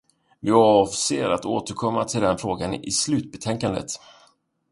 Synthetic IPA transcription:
vɪɑvseːɾat̪oːt̪əɾkʰɔmːat̪ʰɪld̪ɛnfɾoːɡanɪ̰slʉ̟ːt̪̚bɛt̪ʰɛŋkand̪ə̰t̪

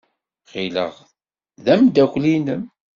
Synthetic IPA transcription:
χilə̰ʁ | ðæmd̪ækʷlinəm

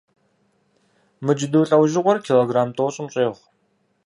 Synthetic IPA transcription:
mɨd͡ʒɪdɨwɬʼɐwʒɪqʷʼɔrkʲʰiːloːɡraːmtʼoːɕʼɪmɕʼeːʁʷ

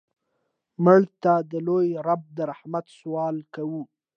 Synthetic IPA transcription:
məɽt̪ad̪əlojɾab̚d̪əɾahmat̪swɑlkawu

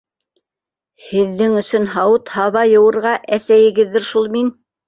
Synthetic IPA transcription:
hɘ̆ðːɘŋɵ̆sɵnɦɑwɤt̪hɑβɑjɤ̆wɤ̆ɾʁɑʔæsæjɘ̆ɡɘðːɘɾʃulˠmin

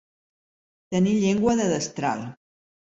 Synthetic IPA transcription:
t̪əniʎeŋɡwəðəðəst̪ɾa̰lˠ

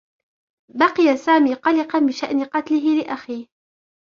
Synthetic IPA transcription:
bɑqɪjasaːmiːqɑlɪqɑnbɪʃaʔnɪqɑt̪lɪɦɪlɪʔaxiːh

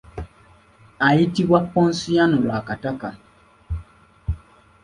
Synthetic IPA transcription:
aitiwak͡pːɔ̃n̩sijanuɾakataka

